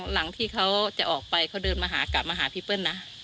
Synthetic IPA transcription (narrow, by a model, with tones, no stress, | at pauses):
la˩˦ŋt̪ʰiː˥˩kʰa˦˥wt͡ɕa˨˩ʔɔː˨˩k̚pa˧jkʰa˦˥wdɤː˧nmaː˧ɦaː˩˦ka˨˩p̚maː˧ɦaː˩˦pʰi˦˥˩pɤ˧˥˨nːa˦˥